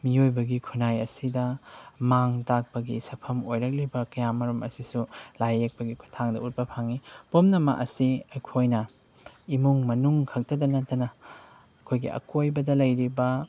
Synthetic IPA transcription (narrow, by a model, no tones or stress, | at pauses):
miojbɐɡikʰunajɐsidɐmaŋtak̚pɐɡisɐpʰɐmojɾɐk̬̚libɐkɐjamɐɾumɐ̰sisulajek̚pɐɡikʰutʰaŋdɐ̰ut̚pɐpʰaŋipomnɐmɐ̰ʔɐsiɐjkʰojnɐ | imuŋmɐnuŋkʰɐk̚tɐdɐnɐtːɐnɐ | ɐkʰojɡḭɐ̰kojbɐdɐlɐjɾibɐ